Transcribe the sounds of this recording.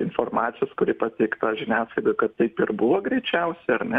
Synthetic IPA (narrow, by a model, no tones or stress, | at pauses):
ɪnformɑːt̪sʲɪjoskʊɾʲɪpɐt̪ʲɛɪkt̪ɑːʒʲɪnʲæːslˠɐɪd̪ojkɐt̪ːɐɪpɪrbʊʋoɡɾʲɛɪt͡ʃʲɛʊsʲɛɐɾnʲɛ